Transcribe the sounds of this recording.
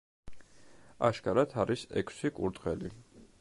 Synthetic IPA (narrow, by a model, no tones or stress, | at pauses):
aʃkʼaɾat̪ʰaɾisɛ̰kʰsikʼṵɾt̪ʼqʼɛli